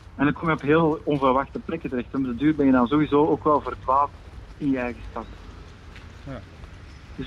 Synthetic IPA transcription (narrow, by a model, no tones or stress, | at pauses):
ɛnəkɔmjəɔpɦeːlˠɔnvərʋaxtəplɛkətəɾɛxtɔmdədyːrbɛnjədɑnzowizoːoːkʋɛlˠvərtʋaːlˠtɪnjəɛjɣəstɑt | d̥ɵs